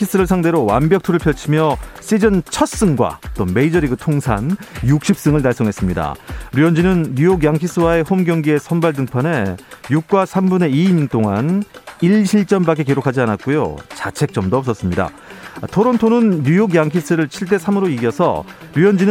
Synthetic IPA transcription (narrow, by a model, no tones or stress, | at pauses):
kʰis͈ɯɾɯɭsʰaŋde̞ɾowa̰nbjʌk̚tʰuɾɯɭpʰjʌɭt͡ɕʰimjʌs͈id͡ʑɯnt͡ɕʰʌs͈ɯŋɡwa̰t͈ome̞id͡ʑʌɾiɡɯtʰoŋsʰanjuk̚ɕ͈ip̚s͈ɯŋɯɭnaɭs͈oŋɦe̞s͈ɯmɲida̰ɾujʌnd͡ʑinɯnːujok̬jaŋkʰis͈ʰɯwae̞ɸomɡjʌŋɡie̞sʰʌnbaɭdɯŋpʰane̞juk̚k͈wasʰambune̞iːɲint͈oŋaniɭɕʰiɭt͡ɕ͈ʌnbak͈ekeɾokʰad͡ʑianat̚k͈ojo̰t͡ɕat͡ɕʰe̞k̚t͡ɕ͈ʌmdoʌp̚s͈ʌs͈ɯmɲida̰ | tʰoɾontʰonɯnːujok̬jaŋkʰis͈ɯɾɯɭt͡ɕʰiɭt̬͈e̞sʰamɯɾoiɡijʌsʰʌ̰ | ɾuʌnd͡ʑin